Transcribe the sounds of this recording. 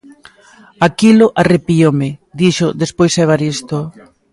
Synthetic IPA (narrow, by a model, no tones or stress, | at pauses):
akilʊʔarepiomɪd̪iʃʊdespojseβaɾist̪o